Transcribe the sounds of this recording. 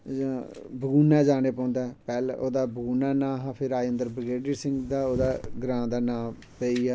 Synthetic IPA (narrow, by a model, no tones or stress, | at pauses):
bʱəɡuːnaɛːd͡ʒaːneːpɔ̃ːnd̪aːɛpɛːloːd̪aːbəɡuːnaːnãːɦãːpʰɪɾaːiənd̪əɾbɾɪɡeːɖisɪ̃ŋɡd̪aːoːd̪aːɡɾãːd̪aːnãː | peːiːɛː